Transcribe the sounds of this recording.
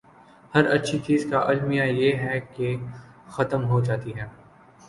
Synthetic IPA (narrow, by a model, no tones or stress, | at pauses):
hɐɾɐtːʃʰit͡ʃiːzkaʔɐlmijajeɦɛke | xɐt̪əmɦod͡ʒaːt̪iɦɛː